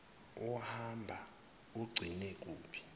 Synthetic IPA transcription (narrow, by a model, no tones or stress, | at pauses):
ɔhambʱa | uɡ͡ǀʱinɛk̬ʼuːpʰi̥